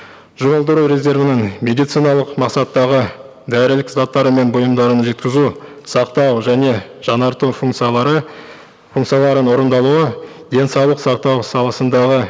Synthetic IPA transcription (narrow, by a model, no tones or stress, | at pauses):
ʒʊʁəlˠd̪əɾuɾʲe̞zʲe̞ɾvənɪŋme̞d̪ijt̪sijnɑlˠəqmɑqsɑt̪ːɑʁə | d̪æɾɪlɪkzɑt̪ːɑɾəme̞nbʊjəmd̪ɑɾənʒe̞t̪kʲɪzu | sɑqt̪ɑwʒæne̞ʒ̥ɑnɑɾt̪ufut̪sə | fuŋkt̪sijɑlˠɑɾənwo̞ɾənd̪ɑlˠuə | d̪e̞nsɑwlˠəqsɑqt̪ɑwsɑlˠɑsənd̪ɑʁə